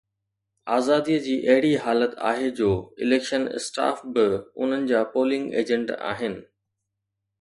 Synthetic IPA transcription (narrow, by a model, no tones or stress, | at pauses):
aːzaːd̪iːəd͡ʑiːʔɐɦɪɽiɦaːlət̪ʰa̰ːɦed͡ʑoːɪleːkʃənɪ̰sʈa̰ːfbɪʊ̰n̤ənɪ̆d͡ʑaːpoːlɪ̃ŋɡḛːd͡ʑə̃ɳɖa̰ːɦɪnɪ̆